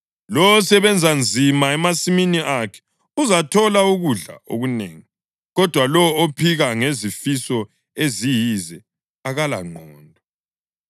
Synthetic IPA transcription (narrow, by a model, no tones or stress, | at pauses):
lɔɔsɛβɛnd͡zʱand͡zʱimaɛmasiminiʔakʰɛ̥ | uzatʰɔlauɣuɮa̰o̰ɣunḛːŋi | ɣɔd̥ʱwalɔopʰiɣaŋezifisɔ | ezijizɛ | aɣala̰ŋ͡ǃʱɔːndʱɔ